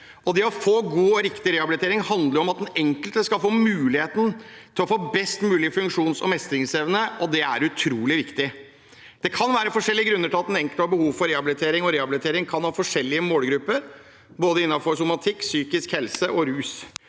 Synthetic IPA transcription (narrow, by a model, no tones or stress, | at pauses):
ɔd̪ɛɔfoːɡuːɔɾɪkt̪ɪɾeːhɑbɪlɪt̪eːɾɪŋhɑnd̪ləɾɔmɑt̪̚d̪ɛnɛŋkəlt̪əskɑlfoːmʉːlɪheːt̪nt̪ʰɪlɔfoːbɛst̪mʉːlɪəfʉŋkʂuːnsɔ̰mɛst̪əɾɪŋseʋnəɔd̪ɛæɾʉt̪ʰɾuːlɪʋɪkt̪ɪ | d̪̥ɛkʰɑnʋæːɾəfɔʂɛlːɪəɡɾʉnːəʈʰɪlɑt̪d̪ɛnɛŋkəlt̪ɑbəhuːʋfɔɾeːhɑbɪlɪt̪ʰeːɾɪŋɔɾeːhɑbɪlɪt̪ʰeːɾɪŋkʰɑnhɑːfɔʂɛlːɪəmoːlɡɾʉpːəɾ | boːd̪əɪnːɑfɔɾsʊmɑt̪ʰɪkːsyːkɪskhɛlsəʔɔɾʉːs